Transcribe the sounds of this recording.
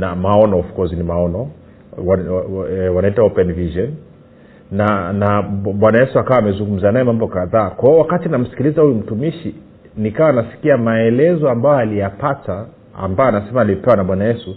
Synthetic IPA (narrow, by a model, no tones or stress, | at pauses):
namaɔnɔɔfkɔzinimaɔnɔ | wa | wanaitaɔpɛnviʒɔnː | anaɓwanajɛsuakawaːmɛzuŋɡum̩zanajɛmambɔkaðaːkwahɛɔwakatinam̩si̥kilizahujum̩tumiʃi | nikawaːnasi̥kiamaɛlɛzɔambajɔalijapata̰ː | mbajɔanasɛmaːlipɛwanaɓwanajɛsu